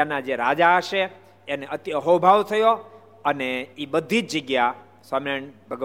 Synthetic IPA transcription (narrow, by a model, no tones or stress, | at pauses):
anad͡ʒeɾad͡ʒaəʃeː | neət̪jəɦobʱaʋt̪ʰəjo | əneibəd̪ʱid͡ʒd͡ʒəɡja | saməɳbʱəɡə